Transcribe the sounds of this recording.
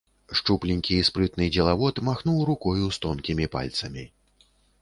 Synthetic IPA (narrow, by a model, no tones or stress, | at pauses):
ʂt͡ʂuplʲinʲkʲiːspɾɨt̪nɨd͡zʲɛlˠavɔt̪maxnuwɾukɔjust̪ɔnkʲimʲipa̰lʲt̪sɐmʲi